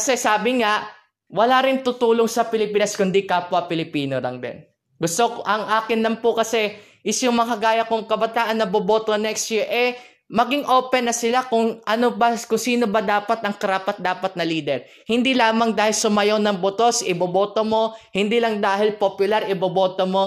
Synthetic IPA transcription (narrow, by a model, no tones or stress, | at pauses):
kɐsɛsaːbɪŋaʔ | wɐlaɾɪnt̪ʊt̪uːloŋsɐpɪlɪpiːnɐskʊnd̪ikaːpʊɐpɪlɪpiːnolɐ̰ŋd̪ɛ̰n | ɡʊst̪oʔɐŋʔaːkɪnlɐmpokɐsɛ | ʔɪsjʊŋmɐkɐɡaːjɐkʊŋkɐbɐt̪aːʔɐnːɐbobo̞ːt̪o̞nɛkst̪jiɹʔɛ | mɐɡɪŋʔo̞ːpɛnːɐsɪlakʊŋʔɐnobɐkʊŋsiːno̞bɐd̪aːpɐt̪ɐŋkɐɾaːpɐt̪̚d̪aːpɐt̪̚nɐliːd̪ɛɹ | hɪnd̪ilaːmɐŋd̪aːhɪlsʊmɐjonɐŋbot̪o̞sɪboboːt̪o̞mo̞hɪnd̪ilɐŋd̪aːhɪlpopjʊlaɾɪbobo̞ːt̪omo̞